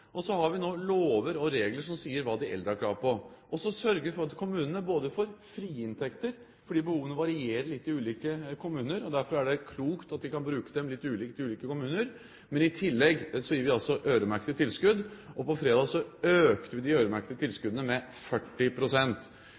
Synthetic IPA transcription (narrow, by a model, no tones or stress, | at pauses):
ʔɔsɔhɑɾʋɪnoːloːʋəɾɔɾeːɡləʂɔmsiːəɾʋɑːd̪ɪʔɛ̰ld̪ɾəæɾkʰlɑːɾpɔʔɔsɔsœɾɡəʋɪfɔɾɑt̪kʰʊmʉːnənəboːd̪əfɔɾfɾiːɪnt̪ʰɛkt̪əɾ | fɔɖiːbəhuːʋənəʋɑɾɪeːɾəɭɪt̪ːɪʉːliːkəkʰʊmʉːnəɾɔd̪æɾfɔɾæɖɛkʰluːkt̪ɑt̪̚d̪ɪkɑnbɾʉːkəd̪ɛmlɪt̪ːʉːliːkt̪ɪʉːliːkəkʊmʉːnəɾ | mɛnɪt̪ʰɪlːɛɡsɔjɪːɾʋɪɑlsɔʔøːɾəmæɾkət̪ət̪ʰɪlskʉd̪ːɔpɔfɾeːd̪ɑːɡsɔøːkt̪əʋɪd̪ɪøːɾəmæɾkət̪ət̪ʰɪlskʉd̪ənəmɛ | fœʈːɪpʰɾʊsɛnt̪